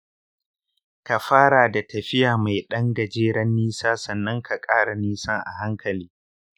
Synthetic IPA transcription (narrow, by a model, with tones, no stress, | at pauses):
ka˨ɸaː˦ɽaː˨da˨tɐ˨ɸɪ˦jaː˨ma˨jɗɐ˦ŋɡɐ˨d͡ʒeː˦ɽɐ˦nːiː˦saː˦sɐ˨nːɐ˦ŋkʰa˨kʼaː˦ɽa˨niː˦sa˦ʔa̰˨ɦa˦ŋkɐ˨liː˦